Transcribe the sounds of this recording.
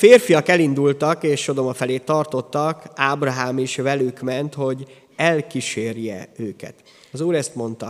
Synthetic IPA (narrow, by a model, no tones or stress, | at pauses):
feːrfijɒkɛlind̪ult̪ɒkeːʃːo̞d̪o̞mɒfɛleːt̪ːɒrt̪o̞t̪ːɒkaːbrɒɦaːmiʃvɛlykmɛnt̪ho̞ɟ | ɛlkiʃeːrjɛ̰øːkɛ̰t̪ | ɒzuːɾɛst̪mo̞nt̪ɒ